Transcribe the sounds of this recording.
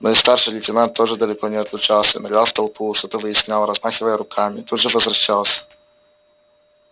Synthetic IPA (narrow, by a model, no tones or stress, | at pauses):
noist̪arʂɨjlʲɪtʲɪnant̪ʰːoʐɨd̪əlʲɪkonʲɪɐt̪lʲʊt͡ʃalˠsʲənɐɡalˠft̪ɐlˠpuʂt̪ot̪əvɨjɪsʲnʲalˠɾɐzmaxʲɪvəjəɾʊkʰamʲɪt̪ud̪ʐɨvəzvɾɐɕːalˠsʲə̥